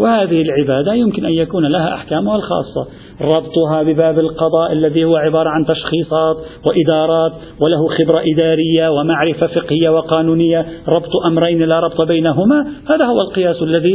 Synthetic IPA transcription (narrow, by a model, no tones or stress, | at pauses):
wɪhaːðɪhɪlʕɪbaːd̪ajʊmkɪnʔanjakuːnlaɦa̰ʔa̰ħkaːmʊhalxɑ̰ːsˤːɑ̰ | ɾˤɑbt̪ˤʊɦɑbɪbaːbɪlqɑd̪ˤɑːʔalːaðihʊwːaʕɪbɑːɾˤɑʕant̪ɑʃxiːsˤɑːt̪wɪʔɪd̪ɑːɾˤɑːt̪ | wɪlaɦʊxɪbɾaʔɪd̪aːɾɪjːawɪmaʕɾɪfafɪqhɪjːawɪqɑːnuːnɪjːaɾˤɑbt̪ˤʔamɾajnɪlaɾˤɑbt̪ˤbajnaɦʊmahaːðahʊwːalqɪjaːsalːaði